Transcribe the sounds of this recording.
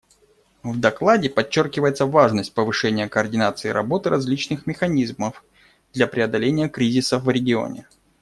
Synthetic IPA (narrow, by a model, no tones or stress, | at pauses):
vd̪ɐklˠadʲɪpɐt͡ɕːorkʲɪvəjɪt̪səvaʐnəsʲt̚ʲpəvɨʂɛnʲɪjəkəːrdʲɪnat̪sɨːɾɐ̰bo̞t̪ɨɾʔɐzʲlʲit͡ɕnɨxmʲɪxɐnʲizməf | d̪lʲɐpɾʲɪɐd̪ɐlʲenʲɪjəkɾʲizʲɪsəfvɾʲɪɡʲɪo̞̰nʲɪ̰